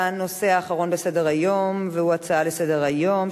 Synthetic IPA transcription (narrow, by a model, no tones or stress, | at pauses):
no̞se̞aːχaʁo̞nbese̞deʁajo̞mveuat͡saalese̞deʁajo̞m